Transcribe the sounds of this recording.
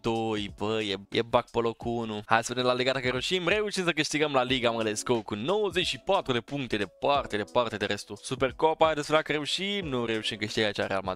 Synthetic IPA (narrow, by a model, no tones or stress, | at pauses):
d̪̥ojbəjejʔḛbak̚polokʰunuha̰jsə̥punemlaleɡat̪akəɾeuʃimre̞uʃimsəkɨʃt̪iɡəmlaliɡaməleskowkuno̞wəzet͡ʃʃipat̪ɾud̪e̞puŋk̚t̪e̞d̪e̞part̪ed̪epart̪e̞d̪eɾe̞st̪usuperkopajad̪espeeakəɾe̞uʃimnuɾe̞uʃimkɨʃt̪iɡat͡ʃaɾea̰lma